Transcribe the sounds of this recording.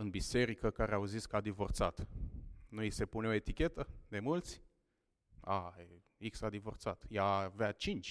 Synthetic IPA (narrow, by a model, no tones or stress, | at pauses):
ɨnbise̞ɾikəkaɾeawziskəad̪ivo̞rt̪sat̪nuise̞puneo̞e̞t̪ikʲe̞t̪əd̪e̞mult̪sʲ | ae | iksad̪ivo̞rt̪sat̪javeat͡ʃint͡ʃʲ